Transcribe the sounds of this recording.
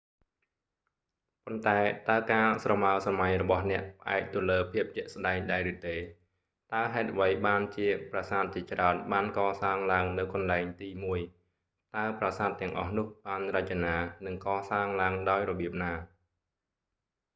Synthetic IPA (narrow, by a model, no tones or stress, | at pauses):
pont̪aɛt̪aəkaːsrɑmaəsamaɲrɔɓɑhnɛ̆əʔpʰə̆ʔa̰ɛk̚t̪uələːpʰiəp̚t͡ɕɛ̆əʔsɗaɛŋɗaɛɾɨt̪eː | t̪aəɦaɛt̪̚ʔʋəjɓaːnt͡ɕiəprasaːt̪̚t͡ɕiət͡ɕraənɓaːnkɑːsaːŋlaəŋnɨwkɑnlaɛŋt̪iːmuəj | t̪aəprasaːt̪ːɛ̆əŋʔɑ̰hnʊ̆əhɓaːnrəc̚t͡ɕanaːnɨŋkɑːsaːŋlaəŋɗaɔjrɔɓiəp̚naː